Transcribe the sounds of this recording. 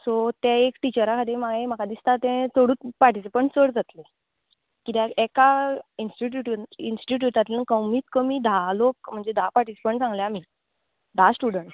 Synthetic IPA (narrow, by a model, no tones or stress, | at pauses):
sot̪ɛ̃ekʈit͡ɕəɾakʰat̪emaɡaem̤akad̪ist̪at̪ɛ̃t̪ʰoɽuːt̪paɾʈisipəɳʈsəɽd͡zat̪le | kit̪jaɛkainsʈuʈ̬uʈinsi̥ʈiʈ̬jut̪at̪lənkəwmiːt̪kəmid̪ʱalok̚m̤əɳd͡zed̪ʱapaɾʈisi̥pəɳʈt͡sãŋɡljamiː | d̪ʱasʈuɽəɳʈ